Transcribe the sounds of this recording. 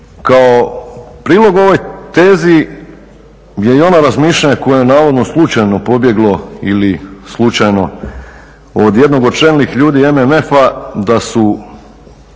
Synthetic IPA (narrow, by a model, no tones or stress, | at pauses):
kaopɾiːlˠo̞ɡo̞ʋo̞jt̪e̞ːzi | jeio̞naɾazmiːʃʎaɲako̞jojenaːʋo̞d̪no̞slˠut͡ʃajno̞po̞bje̞ɡlˠo̞ilislˠut͡ʃajno̞ | od̪je̞d̪no̞ɡo̞t͡ʃenlixʎuːd̪ie̞meme̞fad̪asu